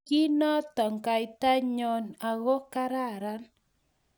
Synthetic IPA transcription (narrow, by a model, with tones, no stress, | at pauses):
ki˦nɔ˦tɔ˨ŋka˨jta˦ɲɔ˦na˨ɣo˦ka˦ɾa˦˨ɾa˦n